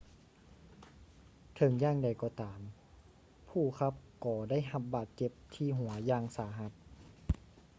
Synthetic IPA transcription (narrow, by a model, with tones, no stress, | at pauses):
t̪ʰɤ˧˦ŋjaː˧˩˨ŋda˨˩jkɔː˧˦t̪aː˨˩˦m | pʰuː˧˩kʰa˧˥p̚kɔː˧˩da˥˨jɦa˧p̚baː˨˩t̪̚t͡ɕe˧˦p̚t̪ʰiː˧˩ɦu˨˩˦ɐjaː˧˩ŋsaː˨˩˦ɦa˧˦t̪̚